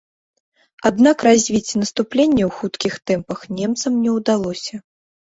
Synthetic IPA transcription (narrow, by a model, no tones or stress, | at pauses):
ad̪nakrazʲvʲit͡sʲnɐst̪uplʲenʲːɛwxut̪kʲixt̪ɛmpɐxnʲɛmt̪sɐmnʲɛwd̪alˠɔsʲɐ